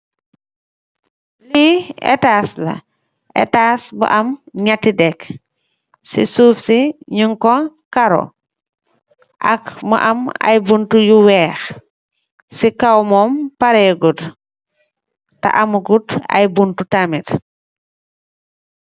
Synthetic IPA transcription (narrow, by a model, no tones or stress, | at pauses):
liɛ̰taːslɐ̰ | ʔɛ̰taːsbə̰ʔɐmɲatːidɛk | sḭsuːfsiɲuŋkɔkaɾo̰ | ʔɐ̰kmə̰ʔɐ̰ma̰jbuntujuwɛːx | sikawmɔːmpaɾɛɡud | ta̰ʔɐmuɡutɐ̰jbuntutamit